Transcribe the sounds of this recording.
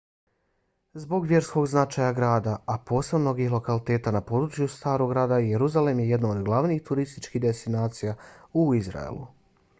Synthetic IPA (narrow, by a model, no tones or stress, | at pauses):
zbo̞ɡʋje̞ɾsko̞ɡznat͡ʃaːjaɡɾaːd̪aapo̞ːseno̞ɡixlo̞kalit̪e̞ːt̪anapo̞ːd̪ɾut͡ʃjust̪aːɾo̞ɡɾaːd̪aijeɾuzalemje̞je̞d̪nood̪ɡlˠaʋniːxt̪uɾist̪it͡ʃkiɦd̪est̪inaːt̪sijauizɾa̰ḛlṵ